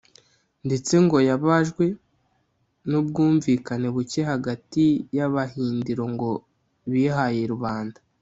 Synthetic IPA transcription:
nde̞t͡se̞ŋɡo̞jaβaʒɡwe̞ | nub̚ɡuːɱviːkane̞βuce̞ɦaɡatijaβaɦiːndiɾo̞ŋɡo̞ | βiːɦajeɾuβaːnda

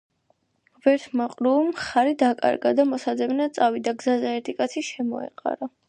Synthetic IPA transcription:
bɛɾt̪ʰmaqʼɾumχaɾid̪akʼa̰ɾɡa̰d̪amɔsad̪zɛbnat̪sʼavid̪aɡzazɛɛɾt̪ʰikʼat̪sʰiʃɛmɔ̰ɛ̰qʼa̰ɾa

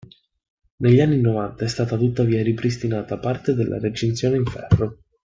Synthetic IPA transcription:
neʎːianːinovant̪aɛst̪aːt̪at̪ut̪ːaviːaɾipɾis̬t̪inaːt̪apart̪ed̪elːʔa̰ret͡ʃint̪sjoːneiɱfɛrːo

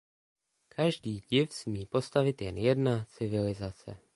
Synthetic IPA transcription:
kʰaʒdiːɟɪfsmiːpo̞st̪avɪt̪jɛnjɛdnat͡sɪvɪlɪzat͡sɛ̰

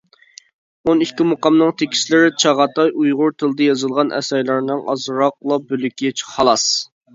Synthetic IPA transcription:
onikʲʰːimoqɑmnɨŋt̪ʰekʲi̥ʃlɪɾɪt͡ʃʰɑʁɑt̪ɑjujʁʊɾt̪ʰɨlˠɨd̪ɨjɑzɨlˠʁɑnʔɛ̰sɑjlˠɑɾnɨŋʔɑ̰zɾɑq̚lˠɑbølykʲit͡ʃʰχɑlˠɑs

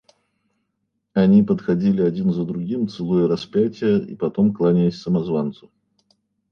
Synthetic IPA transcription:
ɐnʲipət̪xɐdʲilʲɪɐdʲinzəd̪ɾʊɡʲimt̪sɨlˠujəɾɐspʲætʲɪjəḭpɐt̪o̞mklˠanʲɪlʲɪsʲsəmɐzvant̪sʊ̥

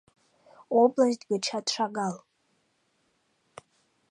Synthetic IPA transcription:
oblazdɡʲʷat͡ʃʰatʂaɡal

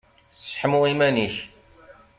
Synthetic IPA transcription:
sħmʊimæniç

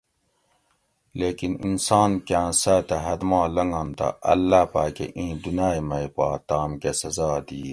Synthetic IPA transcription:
leːkinḭnsaːnkãːsaːt̪ɐɦɐd̪mãːlɐŋɡɐnt̪ɐ̰ʔɐ̰lːaːpaːkḛʔĩːd̪unaːjmɐipa̰ːt̪aːmkesɐzɑːd̪iː

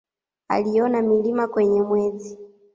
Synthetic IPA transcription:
a̰lijɔnamilimakwɛɲɛmwɛzi

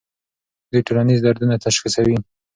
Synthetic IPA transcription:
d̪ujʈuɾanizd̪aɾd̪unat̪aʃxisawi

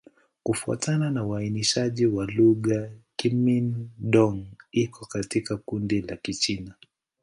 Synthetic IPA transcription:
kufua̰tananauainiʃaʄiwaluɠakiminɗɔŋikʰɔkatikakundilakit͡ʃina

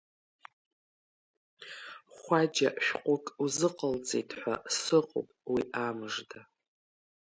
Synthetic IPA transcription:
χʷad͡ʒaʃᶣqʷʼʊkʼuzɨqʼəlt͡sʼejtʰʼħʷa̰sɨqʼo̰pʼwiʔamɨʐda

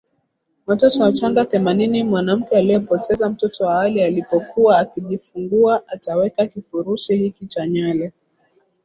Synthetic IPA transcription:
watɔtɔwat͡ʃaŋɡaθɛmaninimwanam̩kɛalijɔpɔtɛzam̩tɔtɔwaalialipɔkuaːkiʄifuŋɡuaʔatawɛkakifuɾuʃihikit͡ʃaɲalɛ

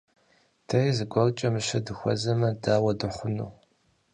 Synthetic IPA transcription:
tʰɐjizɨɡʷʼɔrt͡ʃʼɐmɨʃɐdɨxʷɔ̰zɐmɐdaːwɐdɨχʷʊnṵː

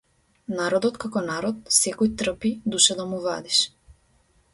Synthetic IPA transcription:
naɾɔd̪ɔt̪kakɔnaɾɔt̪̚sɛkɔjt̪r̩pid̪uʃad̪amuva̰d̪iʃ

